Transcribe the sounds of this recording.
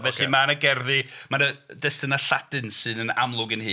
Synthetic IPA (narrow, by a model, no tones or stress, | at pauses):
vɛɬimanəɡɛrðɨmanədɛstənaɬadɨnsɨːnəna̰mlˠʊɡənhɨː